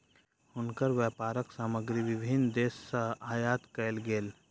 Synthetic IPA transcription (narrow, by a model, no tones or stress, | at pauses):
hʊnkəɾʋjɛːpaːɾəksaːməɡɾiʋɪbʱɪnd̪eːsːəɦaːjaːt̪kəɪlɡeːl